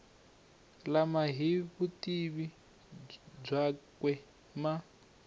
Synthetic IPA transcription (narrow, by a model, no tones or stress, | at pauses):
lamaɦiβutiβi | b͡ʐakwɛ | ma